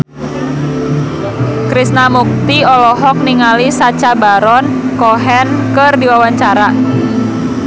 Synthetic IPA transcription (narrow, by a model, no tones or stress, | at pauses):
kɾisnamuk̚t̪iɔlɔɦɔk̚niŋalisat͡ʃabaɾɔnkɔɦɛnkərdiwawaɲt͡ʃaɾa